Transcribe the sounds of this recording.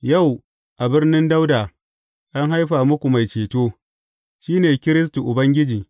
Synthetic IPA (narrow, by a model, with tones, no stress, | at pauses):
ja˦˨w | ʔa˨bɪ˦rnɪ˦nda˦wdaː˨ | ʔa˦ŋɦa˦jɸaː˨mʊ˦kʷu˨ma˨jt͡ʃeː˨toː˦ | ʃiː˦neː˨kʲɪ˦ɾɪ˦s̬tu˨ʔʊ˨bɐ˦ŋɡʲɪ˦d͡ʒiː˨